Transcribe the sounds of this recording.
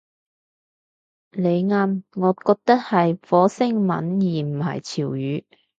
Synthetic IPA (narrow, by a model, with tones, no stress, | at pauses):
le˨˧jŋaː˧mŋɔː˨˧kɔː˧k̚t̪ɐ˥k̚hɐ˨jfɔː˨˥sɪ˥ŋmɐ̰˨˥njiː˨m̩˨˩hɐ̰˨˩jt͡sʰiː˨˩wjyː˨˧